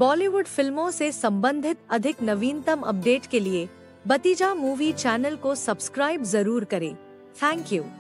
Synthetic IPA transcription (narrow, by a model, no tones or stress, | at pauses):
bɔːliʋʊɖfɪlmõsesɐ̃mbə̃nd̪ʱɪt̪ɐd̪ʱɪknɐʋiːnt̪əmɐ̰p̚ɖeːʈkelie | bɐt̪id͡ʒamuːʋit͡ʃɛːnəlkosɐbskɾaːɪbzɐɾuːɾkɐɾḛ̃ː | t̪ʰɛ̃ːŋkjuː